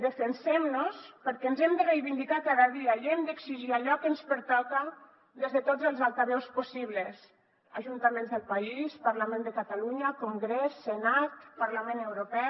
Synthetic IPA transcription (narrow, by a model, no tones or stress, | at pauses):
d̪əfənsɛmnospəɾkɛnzɛmd̪ərejβind̪ikakaðaðiaiɛmd̪əksiʒiaʎɔkənspəɾt̪ɔka | ðezðət̪ozəlˠzalˠt̪aβɛwspusiβ̞ləs | aʒunt̪amẽnzðəlˠpaispaɾlamẽnd̪əkat̪aluɲakuŋɡɾɛsːənat̪paɾlamẽnewɾopɛ